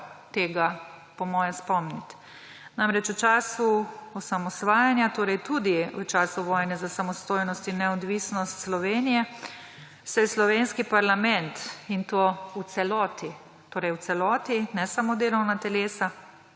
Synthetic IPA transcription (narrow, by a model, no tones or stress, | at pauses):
t̪eːɡa | pɔmɔːjɛspɔmnit̪ | namɾɛt͡ʃut͡ʃaːsuɔsamɔsʋaːjanjat̪oːɾɛjt̪ud̪iut͡ʃaːsuʋɔːjnɛzasamɔst̪oːjnɔst̪inːɛɔd̪ʋisnɔst̪slɔʋeːnijɛ | sɛjɛslɔʋenskipaɾlamɛnt̪int̪oːw̪sɛlɔːt̪i | t̪oːɾɛjw̪sɛlɔːt̪inɛsamod̪eːlɔwnat̪ɛleːsa